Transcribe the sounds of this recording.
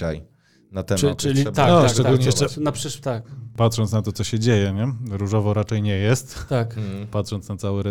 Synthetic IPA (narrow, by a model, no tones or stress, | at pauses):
a̰j | nat̪ɛɘlʲianɔʂɛɡ̪ullɲɛjɛt͡ʂɛnapʂɘʂt̪akpat̪ʂɔnt̪snat̪ɔt̪sɔɕɛd͡ʑejɛɲɛɾuʐɔvɔɾat͡ʂɛjɲɛjɛst̪t̪akpat̪ʂɔnt̪snat̪sawɘɾɛ